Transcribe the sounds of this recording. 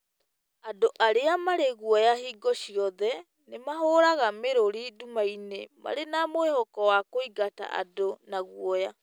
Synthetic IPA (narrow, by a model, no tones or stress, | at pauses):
adoʔaɾeamaɾeɣuɔjaɦiːɡɔɕiɔðɛ | nemaɦoːɾaɣameɾoɾidumainema̰ɾenamoehɔkɔwakoiɡata̰ʔa̰donaɣwɔja